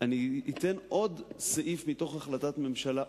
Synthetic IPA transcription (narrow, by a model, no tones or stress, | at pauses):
aniːt̪enʔo̞d̪seʔifmit̪o̞χaχlat̪atme̞mʃala